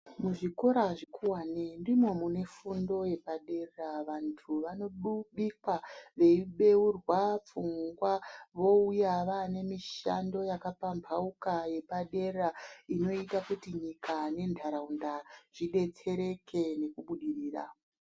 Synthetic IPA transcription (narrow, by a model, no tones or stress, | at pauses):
muʐiko̞ɾaʐikʰuwanendimwomune̞fundo̞je̞paɗe̞rraʋantʰuʋano̞ɗuɓikwaʋe̞iɓe̞urwap͡fuŋɡwaʋo̞ujaʋane̞miʃa̰ndo̞jakapampʰaukaje̞paɗe̞raino̞itakutiɲikane̞ndʱaɾaundaʐ̥iɗe̞t͡se̞ɾe̞kʰe̞ne̞kuɓuɗiɾiːra̰